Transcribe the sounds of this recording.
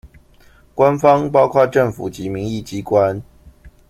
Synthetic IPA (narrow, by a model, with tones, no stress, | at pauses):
kwa˦nfɑ˦ŋpɑ˥ʊkʰwa˥˧ʈ͡ʂə˥˩ŋfṵ˨˩t͡ɕi˨˦mi˨˥ŋi˥˨t͡ɕi˦˥kwa˦n